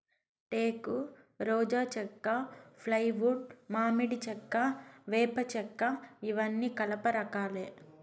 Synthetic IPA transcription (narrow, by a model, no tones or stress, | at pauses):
ʈeːku | ɾɔːd͡ʒaːt͡ʃɛkːapʰlɐjʋuɖ̚maːmiɽit͡ʃɛkːaʋɛːpɐt͡ʃɛkːaiʋɐnːiːkɐlɐpɐɾɐkaːleː